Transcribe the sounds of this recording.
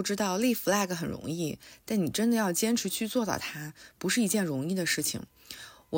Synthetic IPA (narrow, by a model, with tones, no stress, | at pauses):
ʊʈ͡ʂɻ̩˥t̪ɑ˥˧ʊli˥˩fu˧la˥˩ɪɡə˩xə˨˩nɻʊ̰˧˥ŋi˥˩t̪a˥˩nni˨˩ʈ͡ʂə˥nd̪ə˨˦jɑ˥˩ʊt͡ɕjɛ˥nʈ͡ʂʰɻ̩˧˥t͡ɕʰy˥˧t͡swɔ˥˧t̪ɑ̰˥˩ʊt̪ʰa˥pu˧˥ʂɻ̩˥˩i˧˥t͡ɕjɛ˥˩nɻʊ˧˥ŋi˥˩d̪ə˩ʂɻ̩˥˩t͡ɕʰḭ˩ŋ | wɔ˨˩